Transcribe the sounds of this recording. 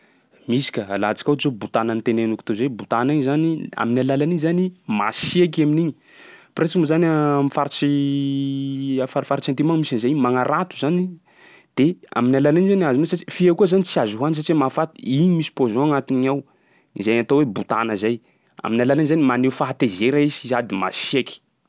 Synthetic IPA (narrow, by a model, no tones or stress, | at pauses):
misi̥kʲəa̰lat͡si̥kaɦzobut̪anənit̪enenuku̥t̪ozajbut̪aniɲizania̰minalalaniɲzanima̰siak̬aminiɲi | pɾet͡simuzanamifaɾat͡ʃi | afaɾfaɾat͡ʃant̪imaŋmisanizajimaŋaɾat̪uzani | d̪̥ea̰minalalaniɲizanazumesat͡ʃi̥fiakuəzanit͡siazuɦuans̬at͡ʃiwemafat̪iiɲimisi̥pozɔ̃aŋat̪iniɲaw | izajat̪owebut̪a̰nəzaj | a̰minalalinizanimanewfaɦat̪ezeɾaisizad̪ima̰siakʲi̥